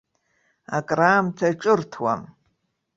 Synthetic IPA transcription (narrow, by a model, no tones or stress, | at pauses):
a̰kʼraːmtʰaʈ͡ʂʼɨrtʰwa̰m